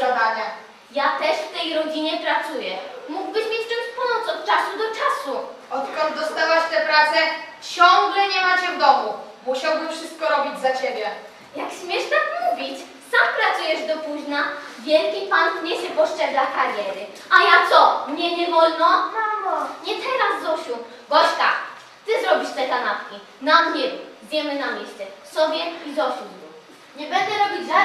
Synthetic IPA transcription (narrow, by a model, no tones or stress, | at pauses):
ɔd̪anɛ | jat̪ɛʂft̪ɛjɾɔd͡ʑiɲɛpɾat̪sujɛmuɡbɘɕmʲjet͡ɕt͡ʂɛnspɔnɔt̪sɔt̪̚t͡ʂasud̪ɔt͡ʂasuɔt̪kɔnd̪d̪ɔst̪awaɕt̪ɛpɾat̪sɛt͡ɕɔŋɡlɛɲɛmat͡ɕɛvd̪ɔmumuɕawbɘmfʂɘst̪̚kɔɾɔbʲid͡ʑzat͡ɕebʲjɛ | jakɕmʲjɛʂt̪akmuvʲit͡ɕ | sampɾat̪sujɛʐd̪ɔpuʑnavʲjɛlkʲipankɲɛɕɛpɔʂt͡ʂɛɡakaɾjɛɾɘ | ajat̪sɔmɲɛɲɛvɔlnɔavɔɲɛt̪ɛɾazːɔɕu | ɡɔɕka | t̪ɘzɾɔbʲiʂt̪ɛkanat̪kʲi | namɲɛzd̪ʲjɛmɘnamʲjɛɕt͡s̪ɛsɔbʲjɛizɔɕu | ɲɛbɛnd̪ɛɾɔbʲid͡ʑ̪a